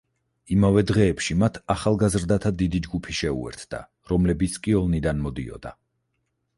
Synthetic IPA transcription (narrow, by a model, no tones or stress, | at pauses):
imavɛd̪ʁɛːpʃimat̪ʰaχalˠɡazɾd̪at̪ʰad̪id̪id͡ʒɡupʰiʃɛṵɛ̰ɾt̪ʰd̪̥a̰ | ɾɔmlɛbit̪skʼiɔlˠnid̪anmɔd̪ḭɔ̰d̪̥a